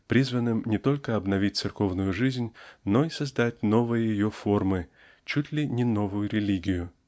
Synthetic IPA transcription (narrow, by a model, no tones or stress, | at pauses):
pɾʲizvənɨmnʲɪt̪o̞lʲkəɐbnɐvʲit̚ʲt̪sɨrko̞vnʊjʊʐɨzʲnʲno̞isɐzd̪atʲno̞vɨjəjɪjofo̞rmɨ | t͡ɕutʲlʲɪnʲɪno̞vʊjʊɾʲɪlʲiɡʲɪjʊ